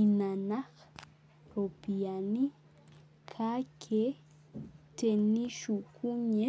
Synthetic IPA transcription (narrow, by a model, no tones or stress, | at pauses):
ɪmanɑχ | ɾopijanɪ | kʰakʰe | t̪enɪʃʊkʰʊɲe